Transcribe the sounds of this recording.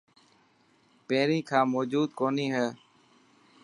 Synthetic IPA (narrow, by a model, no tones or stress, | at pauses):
peːɾiːkʰãːmoːd͡ʒuːd̪̚koːniːɦɛː